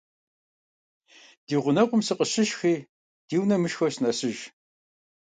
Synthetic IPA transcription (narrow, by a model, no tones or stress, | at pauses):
d̥iːʁʷʊnɐqʷʊmsɨqʼəɕɪʃxiː | d̥iːwnɐmɨʃxɐɕnɐɕɪʒ